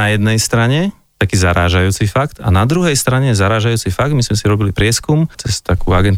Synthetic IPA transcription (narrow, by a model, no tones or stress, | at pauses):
ajɛd̪nɛjst̪ɾaɲɛ | t̪akiːzaɾaːʒajuːt͡sifakt̪a̰nad̪ɾuɦɛjst̪ɾaɲɛzaɾaːʒajuːt͡sifaɡ̚d̪mizmɛsiɾɔbilipɾɪɛskumt͡sɛst̪akuːaɡɛnt̪